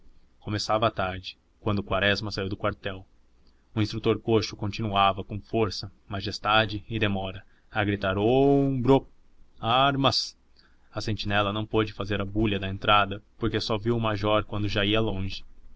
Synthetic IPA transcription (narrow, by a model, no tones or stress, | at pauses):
komesavɐːt̪aɾd͡ʒɪ̥ | kwɐ̃nd̪ʊkwaɾɛzmɐsaiwd̪ʊkwaɾt̪ɛw | ʊĩst̪ɾut̪oɾkoʃʊkõnt͡ʃinuavɐkõw̃foɾsɐ | maʒest̪ad͡ʒɪːd̪emɔɾɐ | ɐɡɾit̪aɾobɾo | aɾmɐs | ɐsẽnt͡ʃinɛlɐnɐ̃w̃pod͡ʒɪfazeɾɐbuʎɐd̪ɐẽnt̪ɾad̪ɐpoɾkesɔviwʊmaʒɔɾkwɐ̃nd̪ʊʒaiɐlõʒɪ̥